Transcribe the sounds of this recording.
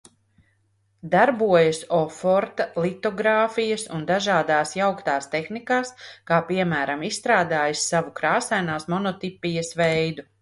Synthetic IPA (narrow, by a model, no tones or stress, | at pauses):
d̪aɾbuɔjɐsɔfɔɾt̪alit̪ɔɡɾaːfijɐsund̪aʒaːd̪aːsjawkt̪aːst̪exnikaːskaːpiɛmæːɾamisst̪ɾaːd̪aːjisːavukɾaːsajnaːsmɔnɔt̪ipːijɐsʋɛjd̪u